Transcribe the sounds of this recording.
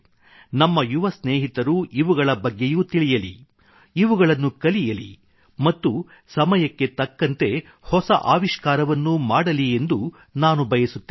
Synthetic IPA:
nɐmːɐjuʋɐsneːɦit̪ɐɾuʔiʋuɡɐɭɐbɐɡːe̞juːt̪iɭijɐlḭ | iʋuɡɐɭɐnːukɐlijɐlḭ | mɐt̪ːu | sɐmɐjɐkːe̞t̪ɐkːɐnt̪e̞ | hɔsɐʔaːʋiʃkaːɾɐʋɐnːumaːɽɐlie̞nd̪u | naːnubʱɐjɐsut̪ːe

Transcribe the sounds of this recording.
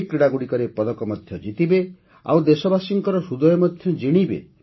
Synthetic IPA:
kɾiɽaɡuɽikɔɾepɔd̪ɔkɔmɔd̪ʱjɔd͡ʒit̪ibe | a̰wd̪esɔbasiŋkɔɾɔsud̪ɔjɔmɔd̪ʱjɔd͡ʒiɽ̃ibḛ

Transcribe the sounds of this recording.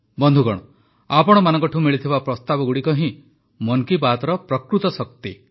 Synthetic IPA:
bɔnd̪ʱuɡɔɽ̃ɔ | apɔɽ̃ɔmanɔ̃ŋkɔʈʰiũmiɭit̪ʰibapɾɔst̪abɔɡuɽikɔɦĩ | mɔnkibat̪ɔɾɔpɾɔkɾut̪ɔsɔk̚t̪i

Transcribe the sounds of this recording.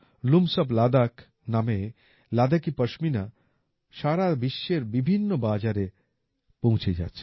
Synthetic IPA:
lumsɔblad̪ak | name | lad̪akipəʃmina | ʃaɾabiʃːeɾbibʱinːobad͡ʑaɾe | põũt͡ɕʰed͡ʑa̰tːt͡ɕʰe̥

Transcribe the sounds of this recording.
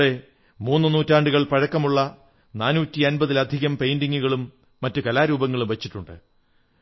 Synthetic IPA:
ɽe̞ | muːnːɨnuːtːaːɳɖuɣɐɭpɐɻɐkːɐmuɭːɐ | naːnuːtːiɐnbɐðilɐd̪ʱiɣɐmpejndiŋːuɣɐɭumː | ɐtːukɐlaːɾuːbɐŋːɐɭumʋɐt͡ɕːiʈːuɳɖɨ̰

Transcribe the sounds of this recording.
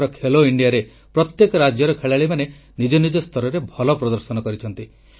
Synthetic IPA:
ɾɔkʰeloiɳɖijaɾe | pɾɔt̪jekɔɾad͡ʒjɔɾɔkʰeɭaɭimane | nid͡ʒɔnid͡ʒɔst̪ʰɔɾɔɾebʱɔlɔpɾɔd̪ɔɾsɔnɔkɔɾit͡ʃʰɔnt̪i

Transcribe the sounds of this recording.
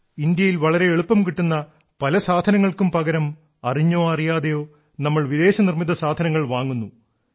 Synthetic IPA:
ind̪jɐjilʋɐɭɐɾe̞eɭupːɐmkiʈːunːɐ | pɐlɐsaːd̪ʱɐnɐŋːɐɭkumpɐɣɐɾɐm | ɐriɲːo̞ːɐrijaːðejo̞ː | nɐmːɐɭʋiðe̞ːɕɐnirmiðɐsaːd̪ʱɐnɐŋːɐɭʋaːŋːunːu

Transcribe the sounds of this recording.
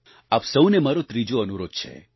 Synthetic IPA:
apsəwnemaɾot̪ɾid͡ʒoənuɾod̪̥̚t͡ʃʰḛ

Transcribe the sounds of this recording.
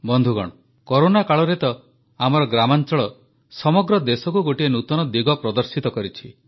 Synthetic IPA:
bɔnd̪ʱuɡɔ̰ɽ̃ɔ | koɾonakaɭɔɾet̪ɔ | amɔɾɔɡɾamant͡ʃɔɭɔ | sɔmɔɡɾɔd̪esɔkuɡoʈienut̪ɔnɔd̪iɡɔpɾɔd̪ɔɾsit̪ɔkɔɾit͡ʃʰi

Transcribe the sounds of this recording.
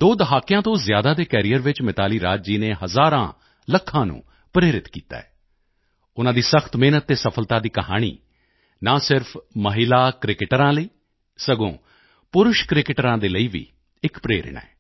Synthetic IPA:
d̪oːd̪əɦaːkɪjãːt̪õːzjaːd̪aːd̪eːkɛːɾijəɾʋɪt͡ʃmɪt̪aːliːɾaːd͡ʒd͡ʒiːneːɦəzaːɾãː | ləkʰːãːnṵ̃ː | pɾeːɾɪt̪kiːt̪a̰ːɛː | ʊnãːd̪iːsəxʰt̪meːnət̪ːeːsəpʰəlt̪ãːd̪iːkəɦa̰ːɽ̃ḭː | nãːsɪɾpʰməɦɪlaːkɾɪkɪʈəɾãːləiː | səɡõː | pʊɾʊʃkɾɪkɪʈəɾãːd̪eːləiːʋḭː | ɪkpɾeːɾɪ̰ɳɛ̰ː

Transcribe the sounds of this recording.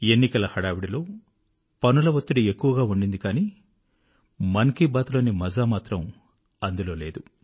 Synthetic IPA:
e̞nːikɐlɐhɐɽaːʋiɽilo̞ː | pɐnulɐʋɐt̪ːuɽie̞kːuʋɐɡaːuɳɖind̪ikaːniː | mɐŋkibaːt̪lo̞ːnimɐzaːmaːt̪ɾɐm | ɐnd̪ulo̞ːle̞ːd̪u

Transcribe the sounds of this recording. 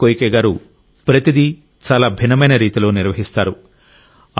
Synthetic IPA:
kojkɛːɡaːɾu | pɾɐt̪id̪i | t͡ʃaːlaːbʱinːɐmɐjnɐɾiːt̪ilo̞ːniɾʋɐɦist̪aːɾu

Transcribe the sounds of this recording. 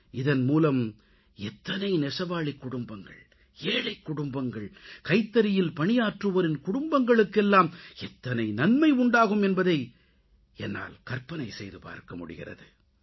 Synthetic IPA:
ɪðɐnmuːlɐm | ɛt̪ːɐnɐɪnɛʂɐʋaːɭɪkːʊɽʊmbɐŋɡɐ̰ɭ | eːɻɐɪkːʊɽʊmbɐŋɡɐɭkɐɪt̪ːɐɾɪjɪlpɐɳɪjaːʈrɯʋɐɾɪnkʊɽʊmbɐŋɡɐɭɯkːɛlːaːmɛt̪ːɐnɐɪnɐnmɐɪʊɳɖaːɣɯmɛnbɐðɐɪ | ɛnːa̰ːlkɐɾpɐnɐɪsɛjðɯpa̰ːɾkɐmʊ̰ɽɪ̰ɣɪ̰rɐ̰ðɯ

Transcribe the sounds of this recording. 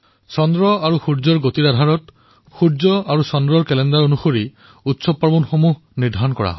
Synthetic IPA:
sɔndɹɔaɹuxuɹd͡ʒɔɹɡotiɾad̪ʱaɹɔt | xuɹd͡ʒɔaɹusɔndɹɔɹkɛlɛndaɹonuxoɹi | utsɔpːabɔnxomuɦ | niɹd̪ʱaɔnkɔɹa̰ɦɔ

